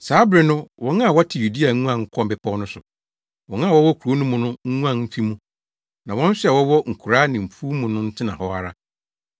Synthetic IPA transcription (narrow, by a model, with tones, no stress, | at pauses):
saː˨˦bɾɪ˨nʊ̃˦wɔ̃˨˦nã˦˨wɔ˦tʰɪ˨ju˨di˦a˨˦ŋũ˦ã˨ŋ̩˦kʰɔ̃˦m˨bɪ˨pʰɔ˦nʊ̃˦sʊ˨ | wɔ̃˨nã˦˨wɔ˦wɔ˦kʰu˨ɾo˦nũ˦mʊ̃˨nʊ̃˦ŋ̩˦ŋũ˦ã˦˨nm̩˦fi˦mũ˦ | nã˨wɔ̃˦n̩˦sɪ˦ɛ˨wɔ˦wɔ˦ŋ̩˨kʰu˨ɾa˦nɪ̃˨m̩˨fuː˦mũ˨nʊ̃˦n̩˦tʰɪ˦nã˨hɔ˦a˨ɾa̰˦